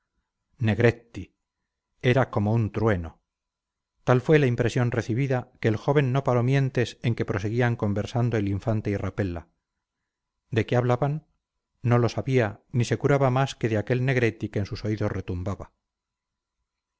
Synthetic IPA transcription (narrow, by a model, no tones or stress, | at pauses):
ne̞ɣɾe̞t̪i | e̞ɾako̞mo̞unt̪ɾwe̞no̞ | t̪alfwe̞laimpɾe̞sjo̞nreθiβiðake̞ːlxo̞β̞e̞nːo̞palo̞mje̞nt̪e̞se̞ŋke̞pɾo̞se̞ɣiaŋko̞mbe̞ɾsand̪oeliɱfant̪e̞irape̞la̰ | d̪e̞keaβlaβanː | o̞lo̞saβianise̞kuɾaβamaske̞ðeake̞lne̞ɣɾe̞t̪ikeːnsuso̞iðosre̞t̪umbaβa